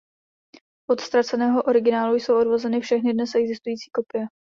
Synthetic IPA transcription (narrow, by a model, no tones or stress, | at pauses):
ʔo̞t̪st̪ɾat͡sɛnɛːɦo̞ʔo̞ɾɪɡɪnaːlujso̞wʔo̞dvozɛnɪfʃɛxnɪdnɛsʔɛɡzɪst̪ujiːt͡siːko̞pɪjɛ